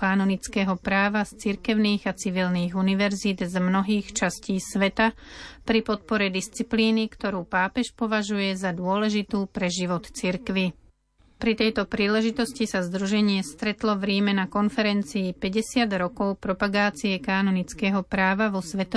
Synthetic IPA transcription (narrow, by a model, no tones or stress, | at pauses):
kaːnɔnit͡skɛːɦɔpɾaːʋast͡siɾkɛʊniːɣat͡siʋilniːɣuniʋɛɾzid̪zmnɔɦiːxt͡ʃasciːsʋɛt̪apɾipɔt̪̚pɔɾɛd̪ist͡sipliːnikt̪ɔɾuːpaːpɛʃpɔʋaʒujɛzad̪ʊɔlɛʒit̪uːpɾɛʒiʋɔt̪t͡siɾkʋi | pɾit̪ɛjt̪ɔpɾiːlɛʒit̪ɔscisazd̪ɾuʒɛɲɪɛst̪ɾɛt̪lɔʋɾiːmɛnakɔnfɛɾɛnt͡siːpɛɟɛsɪad̪ɾɔkɔʊpɾɔpaɡaːt͡siɛkaːnɔnit͡skɛːɦɔpɾaːʋaʋɔsʋɛt̪ɔ